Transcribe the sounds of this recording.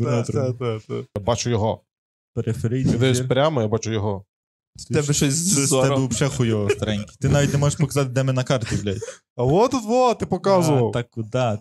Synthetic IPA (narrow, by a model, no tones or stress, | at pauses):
nat̪ɾd̪at̪ajabɑt͡ʃʊjɔɦɔ | peɾefeɾɪj̪ʲd̪ɪsʲpɾʲamɔjabɑt͡ʃʊjɔɦɔ | ɛbɛʃɛzʲisɔɛbɛpʃɛxʊjɔʋɔst̪ɐɾɛnʲkʲi̥t̪ɪnɑʋʲitʲnemɔʒeʃpɔkɐzɑt̪ɪd̪ɛmɪnɐkɑrt̪̚dʲiwlʲaj | ɐʋɔt̪ut̪ʋɔt̪ɪpɔkɑzʊʋɐwt̪ɑkːʊd̪ɑ